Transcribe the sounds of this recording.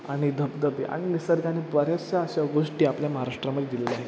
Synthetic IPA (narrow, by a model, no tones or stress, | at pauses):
aɽ̃id̪əbbd̪əbḛʔa̰ɽ̃inisəɾɡanebəɾjasaəɕaɡoʂʈiːapljaməɦaɾaʂʈɾaməd̪ʱed̪ileleaɦe